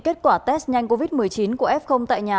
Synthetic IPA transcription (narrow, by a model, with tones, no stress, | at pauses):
ke˦˥t̚kwaː˧˩t̪ɛ˦˥sɲa˧jŋko˧vi˦˥t̚mɨ˨˩əjt͡ɕi˨˦nku˧˩əʔɛ˦˥p̚xə˧wŋ͡mt̪a̰ː˧˨jɲaː˨˩